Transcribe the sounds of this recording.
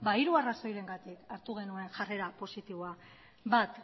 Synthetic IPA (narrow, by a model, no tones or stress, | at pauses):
baiɾuaraso̞jɾe̞ŋɡat̪ikaɾt̪uɣ̞e̞nue̞nʝare̞ɾapo̞sit̪iβoa | bat̪